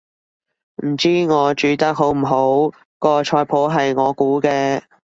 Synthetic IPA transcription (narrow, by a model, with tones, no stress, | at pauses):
m̩˨˩t͡siː˥ŋɔː˨˧t͡ʃyː˨˧t̪ɐ˥k̚ɦo˨˥wm̩˨˩ɦo˨˥w | kɔː˧t͡ʃʰɔː˧jpʰo˨˥wɦɐ˨jŋɔː˨˧kuː˨˥kɛː˧